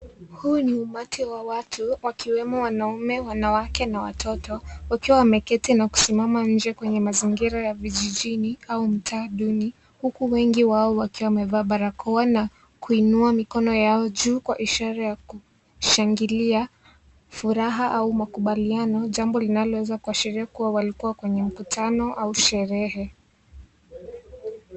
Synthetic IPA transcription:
huːniumatʰiwawatʰuwakiwɛmɔwanaumɛwanawakɛnawa̰tʰɔtɔwakiwawamɛkɛtinaku̥simamaɲ̩d͡ʒɛkwɛɲɛmaziŋɡiɾajaviʄiʄiniaum̩tʰaɗuni | hukuwɛŋɡiwaɔwakiwamɛvaːɓaɾakʰɔwana | kuinuamikɔnɔjaɔʄuːkwaʔiʃaɾajaku | ʃaŋɡilia | fuɾaɦaʔaumakuɓalianɔʄambɔlinalɔwɛzakuaʃiɾiakuwawalikuwakwɛɲɛm̩kutanɔʔauʃɛɾɛɦɛ

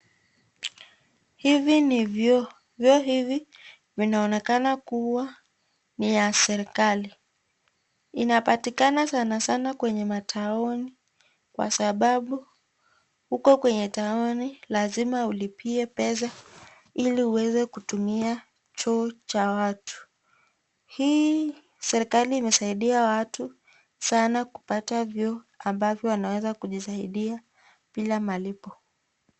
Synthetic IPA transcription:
hiviniv | vjɔɦivi | vinaɔnɛkanakuwa | nijasɛɾikali | inapatikanasanasanakwɛɲɛmatʰaɔni | kwa̰saɓaɓu | hukɔkwɛɲɛtaɔnilazimaulipiɛpɛs̬a | iliuwɛzɛkutumia | t͡ʃɔːt͡ʃawatu̥ | hiː | sɛɾikaliːmɛsaiɗiawatu | sanaku̥patavjɔː | ambavjɔwanawɛzakuʄisaiɗia | pilamalipɔ

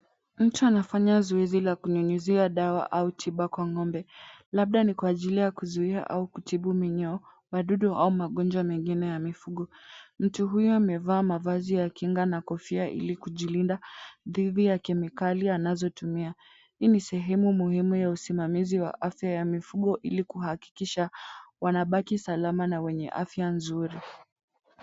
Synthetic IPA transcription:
m̩tuanafaɲazɔɛzilakuɲuɲuziaɗawa̰ʔautʰiɓakwaŋɔmbɛlaɓ̚ɗanikwaːʄilijakuzuiaʔa̰ukutʰiɓumiɲɔː | waɗuɗɔʔaumaɠɔnd͡ʒwamɛŋɡinɛjamifuɠɔm̩tuɦujɔamɛvaːmavazijakiŋɡanakɔfiaʔḭlikuʄilindaðiðijakɛmikalianazɔtumia | inisɛɦɛmumuhimujausimamiziwa̰ʔafjajamifuɠɔʔilikuhaki̥kiʃawanaɓakisalamanawɛɲɛ̰ʔa̰fjanzuɾi

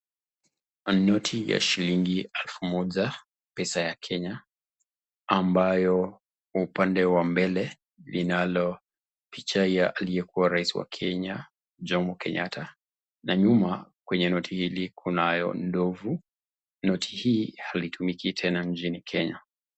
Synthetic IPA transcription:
nɔtʰija̰ʃiliŋɡialfumɔʄa | pɛsajakʰɛɲa | ambajɔ | upandɛwambɛlɛ | linalɔ | pit͡ʃaiaʔalijɛkuwaɾaisiwa̰kʰɛɲa | d͡ʒɔmɔkʰɛɲatʰa | naɲumakwɛɲɛnɔtʰihilikʰunajɔ̰ndɔvu | nɔtʰi̥hiːhalitʰumikitʰɛnaɲt͡ʃinikʰɛɲa̰

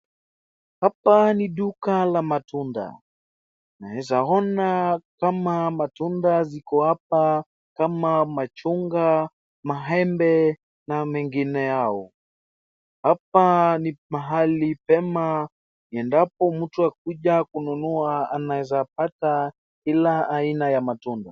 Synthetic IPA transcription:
hapaniɗukalamatunda̰ | nawɛzaɔnakamamatundazikɔhap̚a | kamamat͡ʃuŋɡa | maɦɛmbɛ | namɛŋɡinɛjaɔ | hap̚animaɦalipɛma | ɛndap̚ɔmm̩tuak̚uʄakununuaanawɛzap̚ata | kilaːinajamatunda

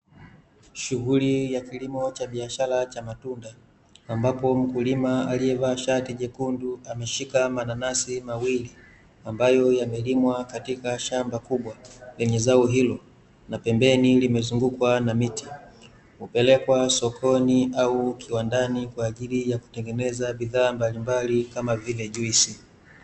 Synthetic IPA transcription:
ʃuɣulijakilimɔt͡ʃaɓiaʃalat͡ʃamatundaː | mbapɔm̩kulimaaliɛvaʃatiʄɛkunduamɛʃikamananasimawili | ambajɔjamɛlimwakatikaʃambakuɓwalɛɲɛzauɦilɔ | napɛmbɛnilimɛzuŋɡukwanamiti̥ | upɛlɛkwasɔkʰɔniaukʰiwandanikwaːʄilijaku̥tɛŋɡɛnɛzabiðaːmbalimbalikamavilɛʄuisi

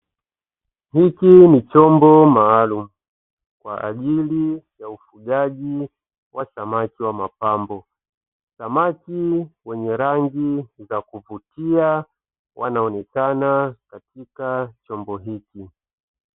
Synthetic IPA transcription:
hikinit͡ʃɔmbɔmaːlum̩u | kwa̰ʔa̰ʄilijaufuɠaʄi | wʔasamakiwamapambɔ | samakiwɛɲɛɾaŋɡizakuvutia | wʔanaɔnɛkanakatʰikat͡ʃɔmbɔɦiki

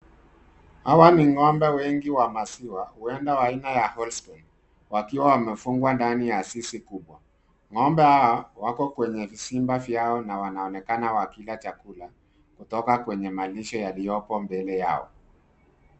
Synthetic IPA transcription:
hawaniŋɔmbɛwɛŋɡiwamasiwahuɛndawainajahɔlstɔn | wakiwawamɛfuŋɡwandanijasisikuɓwa | ŋɔmbɛhawawakɔkwɛɲɛvisimbafjaɔnawanaɔnɛkanawakilat͡ʃakula | kutɔkakwɛɲɛmaliʃɔjalijɔpɔmbɛlɛja̰ɔ̰

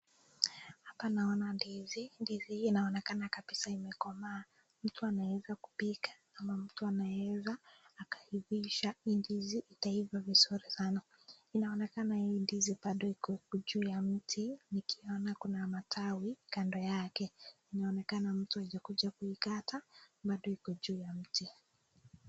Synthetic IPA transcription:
hapanaɔnandizindiziːnaɔnɛkanakaɓisaimɛkɔmaː | m̩tuanawɛzaku̥pikḁ | amam̩tuanaɛzaːkḁhiviʃaindiziʔːtaivavizuɾisana | inaɔnɛkanahindizib̥aɗɔikɔkɔʄuːjam̩tʰinikʰiɔnakunamatʰawikandɔjakɛinaɔnɛkanam̩tuaʄakuʄakuikataɓaɗɔhikɔʄuːjam̩ti

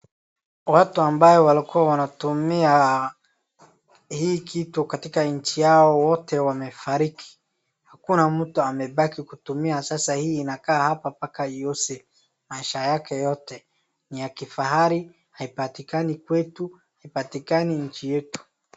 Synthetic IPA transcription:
watuambajɔwalikuwawanatumia | hiːkʰitukatikaɲ̩t͡ʃijaɔwɔtɛwamɛfaɾikʰi̥ | hakunamm̩tuamɛɓakikutumiasasahiːnakaːhapapakaijɔsɛ | maiʃajakɛjɔtɛ | nijakifaɦaɾi | haipatikanikwɛtu | haipatikaniɲ̩t͡ʃijɛtu̥

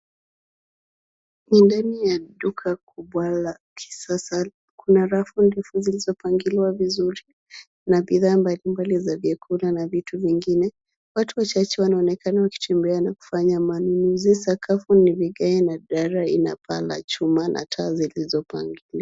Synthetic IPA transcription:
nindanijaɗukʰakuɓwala | kʰi̥sasa | kunaɾafundifuzilizɔpaŋɡiliwavizuɾi | naɓiðaːmbalimbalizaviɛkʰulanavituviŋɡinɛ | watuwat͡ʃat͡ʃɛwanaɔnɛkanawaki̥tʰɛmbɛanaku̥faɲamanunuzisakʰafuniviɡaɛnaɗaɾaina̰pʰa̰la̰t͡ʃumanʔa̰tʰaːzilizɔpa̰ŋɡili

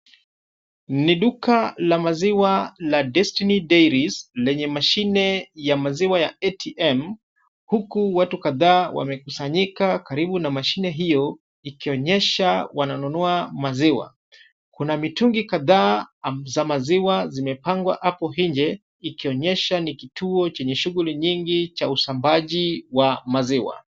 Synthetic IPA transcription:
niɗukalamaziwaladɛstinidɛjɾislɛɲɛmaʃinɛjamaziwajaɛtʰiɛm | hukuwatukaðaːwʔa̰mɛkusaɲikakaɾiɓunamaʃinɛɦijɔ | ikiɔɲɛʃawananunɔamaziwa̰ | kunamituŋɡikaðaːzamaziwazimɛpaŋɡwa̰ʔapɔɦiɲd͡ʒɛ | ikiɔɲɛʃanikitʰuɔt͡ʃɛɲɛʃuɣuliɲiŋɡit͡ʃausambaʄiwamaziwa̰

